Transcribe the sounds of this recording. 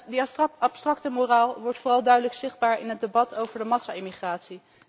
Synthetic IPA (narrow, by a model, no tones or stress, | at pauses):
dəɑpstrɑktəmoraːlˠʋɔɹtfoːrɑlˠdœɥdələksɪχd̚baːɹɪnɦədebɑtʰowvəɹdəmɑsaɪmiχraːtsi